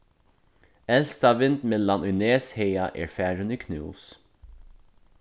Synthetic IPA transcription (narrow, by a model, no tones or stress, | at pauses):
ɛlst̪ɑʋɪnd̪mɛlɑnʉneːsheɪɑʔḛːɹfæːɹʉniːkʰnʉ̰ːs